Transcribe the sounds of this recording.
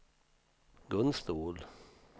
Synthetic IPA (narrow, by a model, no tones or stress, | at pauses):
ɡɵnst̪uːl